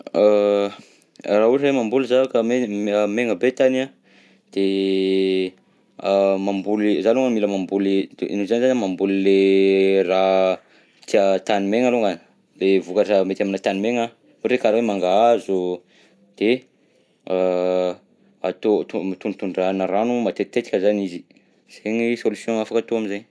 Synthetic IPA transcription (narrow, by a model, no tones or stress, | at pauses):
a | rauɾɾemambulizaakəmemeŋəbet̪ana | d̪̥e | mambulizaloŋamiləmambulinuzanizanamambulilera | t̪iat̪animeŋaloŋan | levukaʈ͡ʂamet̪aminət̪animeŋa | eɾekaɾawemaŋɡaazu | d̪̥e | a | at̪ot̪umat̪unt̪uɳɖ͡ʐanaɾanumat̪et̪t̪ːet̪i̥kʲəzanizi | z̥eɲisolusjõŋafakat̪oaminzaɲ